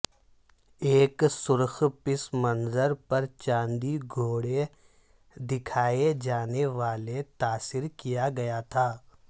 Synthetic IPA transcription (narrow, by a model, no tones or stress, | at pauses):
eːksʊɾxpɪsmɐnzəɾpɐɾt͡ʃãːnd̪iɡʱoːɽe | d̪ɪkʰaːed͡ʒaːneʋaːlet̪aːsɪɾkijaɡɐjat̪ʰaː